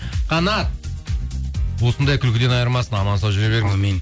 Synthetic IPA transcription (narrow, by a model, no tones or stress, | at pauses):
qʰɑnɑt̪̚ | wo̞sənd̪ɑjkʲʰʏlkʲɪd̪e̞nɑjəɾmɑsənɑmɑnsɑwʒʏɾebe̞ɾmɪmen